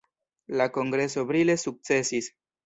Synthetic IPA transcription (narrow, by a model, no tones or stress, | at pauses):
lako̞ŋɡɾe̞so̞bɾile̞suk̚t͡se̞sis